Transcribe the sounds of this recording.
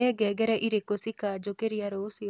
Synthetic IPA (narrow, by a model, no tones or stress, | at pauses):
ɛɡɛɡɛɾɛʔiɾekosikad͡ʒokeɾijaɾosi